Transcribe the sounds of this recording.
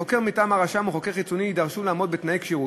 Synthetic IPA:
o̞ke̞ʁmitaːmaʁaʃamuχo̞keʁχit͡soniid̪aʁʃulaːmo̞d̪bet̪naekʃiʁu

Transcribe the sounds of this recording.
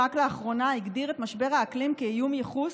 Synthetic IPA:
akleaχʁo̞naiɡdiʁet̪maʃbe̞ʁaːklimkejumjeχus

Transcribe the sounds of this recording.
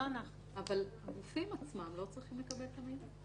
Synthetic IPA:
anaχnuavalaɡufimat͡smamlo̞t͡sʁiχimlekabe̞lt̪amid̪

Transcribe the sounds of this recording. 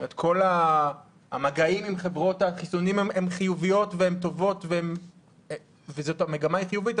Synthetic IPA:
et̪kʰo̞la̰ː | maɡaimimχevʁo̞taχisunimememχijuvijo̞tveemt̪o̞vo̞tveem | vezotameɡamajiχijuvit

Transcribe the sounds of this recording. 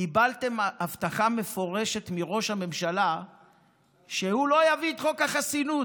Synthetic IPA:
ibalt̪e̞mavt̪aχame̞fo̞ʁe̞ʃe̞t̪miʁo̞ʃhame̞mʃala | ʃehulo̞javiːt̪χokaχasinu

